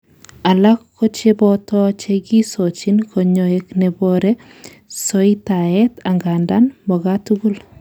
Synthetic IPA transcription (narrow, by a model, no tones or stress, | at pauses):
alakːɔt͡ʃebɔtɔt͡ʃeɡisot͡ʃinkʰɔɲoeknɛbɔɾɛ | sɔitaɛtaŋɡandanmbɔɡatuɡul